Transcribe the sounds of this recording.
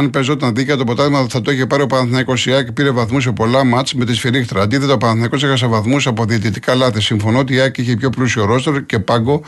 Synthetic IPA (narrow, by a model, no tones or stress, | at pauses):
ɐnpe̞zo̞t̪ɐnðiceɐt̪opo̞t̪ɐðimɐt̪θɐt̪oiçepɐɾio̞pɐnɐθnɐiko̞siɐkpiɾe̞vɐθmus̬epo̞lɐmɐt͡sme̞t̪isfiɾixt̪ɾɐd̪iθet̪opɐnɐθnɐko̞s̬ixɐs̬evɐθmusɐpoðiːt̪it̪ikɐlɐθisiɱfo̞noot̪iɐkiçepço̞plusioɾo̞st̪eɾce̞pɐɡo̞